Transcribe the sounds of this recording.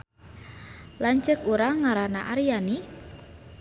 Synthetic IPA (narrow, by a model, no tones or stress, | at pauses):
laɲt͡ʃəkuɾaŋaɾanaʔaɾijani